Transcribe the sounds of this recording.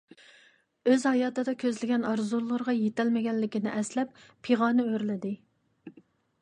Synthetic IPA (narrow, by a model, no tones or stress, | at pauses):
øzhɑjɑːt̪ɨd̪ɑkʲʰøzlɪɡʲɛnɑɾzulˠːʊɾʁɑjet̪ɛlmɪɡʲɛnlːɪkʲinɪʔɛslɛpːʰ | eʁɑːnɨøɾlɪd̪ɪ